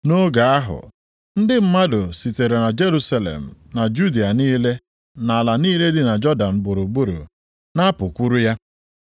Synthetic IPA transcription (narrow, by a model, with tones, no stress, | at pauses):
no˦ɡa˨a˦ɦʊ̰˨ | n̩˦dɪ˦m̩˦ma˦dʊ˨si˨te˨ɾe˨na˨d͡ʒe˦ɾu˦sa˦lḛ˨m̩˨na˨d͡ʒu˦di˨a˨niː˦le˦ | na˨a˨la˨niː˦le˦dɪ˨na˨d͡ʒɔ˦da˨n̩˨bʊ˨ɾu˨ɡ͡bu˦ɾṵ˨ | na˦pʊ˨kʷu˦ɾu˦ja˦